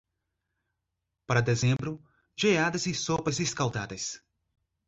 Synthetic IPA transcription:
pɐɾɐd̪ezẽmbɾʊ | ʒead̪ɐzisopɐziskawd̪ad̪ɐs

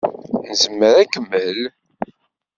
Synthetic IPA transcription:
nəzəmːəɾækːəmːəl

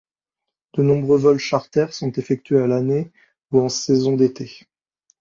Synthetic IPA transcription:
d̪̥ənɔ̃bʁøvɔlʃaʁt̪ɛʁsɔ̃t̪efɛk̚t̪ɥealane | uɑ̃sɛzɔ̃d̪et̪ʰe

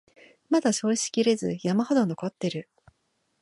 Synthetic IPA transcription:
mad̪aɕo̞ːɕi̥kʲiɾe̞zɨ̰jamaho̞d̪ono̞ko̞t̪ːe̞ɾɯ̟

